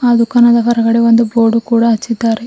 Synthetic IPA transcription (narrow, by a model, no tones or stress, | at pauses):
ɐd̪ukɐnɐd̪ɐkɐɾɐɡɐɽeʋond̪uboːɖukuːɽaɐt͡ʃːid̪ːaːɾe